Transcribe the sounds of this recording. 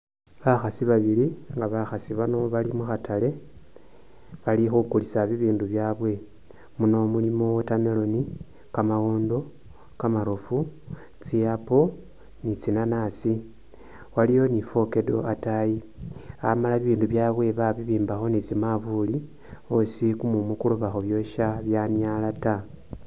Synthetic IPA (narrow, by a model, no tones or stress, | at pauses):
βaxasiβaβiliŋɡaβaxasiβano̞βalimuxatʰale̞ | βalixukulisaβiβiːnduβjaːβwe̞ | muno̞mulimo̞wotamelo̞ni | kamawoːndo̞ | kamaɾofu | t͡siapo̞ | nit͡sinanasi | walijo̞nifo̞ke̞do̞̰ataji | a̰malaβiβiːnduβjaːβwe̞βaβiβiːmbaxo̞nit͡simaβuli | osikumumukuluβaxoβjoʃaβjanjalata